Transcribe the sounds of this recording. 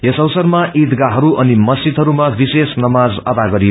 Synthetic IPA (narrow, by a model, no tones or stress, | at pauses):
jesʌwsʌrmaʔid̪ɡaɦʌɾuʔʌnimʌst͡ʃit̪ɦʌɾumabisesnʌmad͡zʌd̪aɡʌɾijo